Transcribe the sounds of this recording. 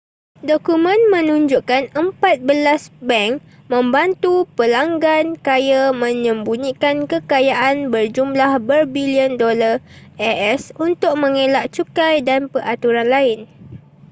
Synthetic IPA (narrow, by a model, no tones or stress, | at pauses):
dokumə̃nmə̃nũɲd͡ʒuʔkanəmpat̪̚bəlasbɛŋk | mə̃mbant̪upəlaŋɡankajamə̃ɲə̃mbunikankəkajaʔanbərd͡ʒumlahbərbiliəndolar | ɛɛsunt̪ʊk̚mə̃ŋelaʔt͡ʃukajdanpəʔat̪uɾanlaɪn